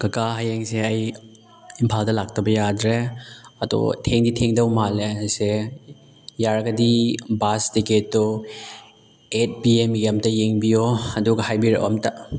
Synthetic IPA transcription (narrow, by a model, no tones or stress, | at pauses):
kɐkaɦajeŋseɐj | impʰaldɐlak̚tɐbɐjadɾeɐdo̰tʰeŋditʰeŋdɐwmalease | jaɾɡɐdibastiketːo | et̚biemiemtɐjeŋbioɐduɡɐhajbiɾɐ̰ʔo̰mtɐ